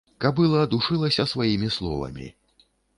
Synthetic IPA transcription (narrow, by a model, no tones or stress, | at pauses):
kɐbbɨlˠɐːd̪uʂɨlˠɐsʲɐsvajimʲislˠɔ̰vɐ̰mʲḭ